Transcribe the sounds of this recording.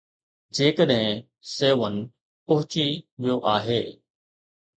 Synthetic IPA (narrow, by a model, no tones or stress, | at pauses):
d͡ʑeːkəɗɦɪ̃ | seːʋənɪ̆ | pɐɦʊt͡ɕiʋijoʔaːɦeː